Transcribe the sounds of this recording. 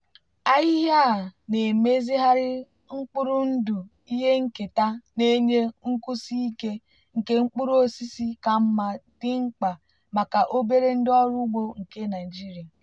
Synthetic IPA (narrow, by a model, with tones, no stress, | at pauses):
a˦ji˦ɦa˦˨ne˨me˦zi˦ɦa˦ɾɪ˦ | ŋ͡m̩˦k͡pʊ˦ɾʊ˦n̩˦du˨ | i˦ɦe˦ŋ̩˦ke˨ta˦ne˦ɲe˦ŋ̩˦ku˦si˦i˦ke˦ | ŋ̩˨ke˦ŋ͡m̩˦k͡pu˦ɾo˦si˦si˦ka˨m̩˦ma˨d̥ɪ˦ŋ͡m̩˦k͡pa˨ | ma˨ka˨ʔo˦be˦ɾe˦n̩˦dɪ˦ɔ˦ɾʊ˦ɡ͡bo˦ŋ̩˨ke˦na˨d͡ʒi˦ɾi˨a˨